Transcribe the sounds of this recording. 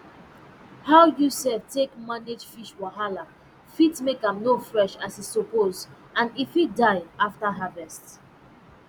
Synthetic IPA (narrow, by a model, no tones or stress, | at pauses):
haʊjusɛvtʰekmãndedfiʃwaɦala | fitmekãmnofɹɛʃasisɔpoz | ãnifit̚daɪaftəɦavɛst